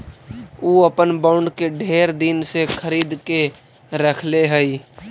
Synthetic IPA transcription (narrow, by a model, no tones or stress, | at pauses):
uːəpənbaʊɳɖkeɖʱeːɾd̪ɪnsekʰəɾiːd̪ke | ɾəkʰleɦɛi